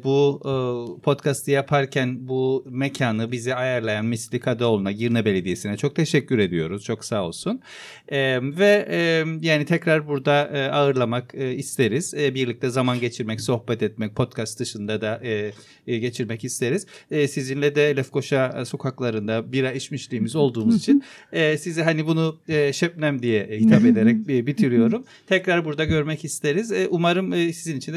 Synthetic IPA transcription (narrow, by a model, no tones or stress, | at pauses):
bu | pʰo̞t̪kʰast̪ʰɯjapʰaɾcʰænbumecʰaːnɯbiziajaɾlˠajanmislʲikʰad̪ao̞lˠunaɟiɾnɛbe̞lʲe̞d̪ije̞sinɛt͡ʃʰo̞k̚t̪ʰe̞ʃɛcːyɾe̞d̪ijo̞ɾuz̥t͡ʃʰo̞ksaːo̞lˠsun | ɛvɛɛjaːnit̪ʰɛcɾaɾbuɾd̪aɯaɯɾlˠamakɯist̪ʰe̞ɾiz̥biɾlʲic̚t̪ʰɛzamanɟe̞t͡ʃʰiɾmɛcso̞xbɛt̪ʰɛt̪̚mɛc̚pʰo̞t̪kʰast̪d̪ɯʃɯnd̪ad̪aʔɯ | ɟe̞t͡ʃʰiɾmɛcist̪ʰe̞ɾiz̥sizinlʲɛd̪ɛelʲɛfkʰo̞ʃaso̞kʰaklˠaɾɯnd̪abiɾaiʃmiʃlʲiːmizo̞lˠd̪uːmuzit͡ʃʰinːsizɛɦanibunuɛʃɛp̚nʲæmd̪ijɛhit̪ʰape̞d̪e̞ɾɛc̚ːbit̪ʰiɾijo̞ɾum | t̪ʰɛcɾaɾbuɾd̪aɟø̞ɾmɛcist̪ʰeɾizʔumaɾɯmːsizinit͡ʃʰind̪